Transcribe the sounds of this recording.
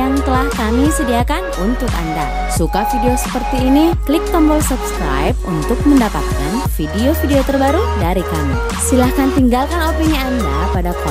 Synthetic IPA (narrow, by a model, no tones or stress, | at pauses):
aŋt̪əlahkamisədiakanunt̪ʊka̰nda̰ | sukafideosə̥pərt̪iːniklɪk̚t̪ɔmbɔlsupskɾa̰jp̚unt̪ʊk̚məndapat̪̚ka̰nfideofideot̪ərbaɾudaɾikami | silahkant̪iŋɡalkanopiɲiandapadakɔ